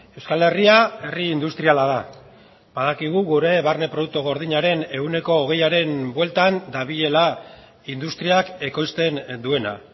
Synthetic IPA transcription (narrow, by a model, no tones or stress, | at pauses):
e̞wskale̞riae̞riːnd̪ust̪ɾialað̞a | baðakiɣ̞uɣuɾe̞βarne̞pɾo̞ðuk̚t̪uɣo̞ɾð̞iɲaɾe̞ne̞ɣune̞ko̞ːɣ̞e̞jaɾe̞nbwe̞lt̪and̪aβiʎe̞la | ind̪ust̪ɾiake̞ko̞jst̪e̞nd̪ue̞na̰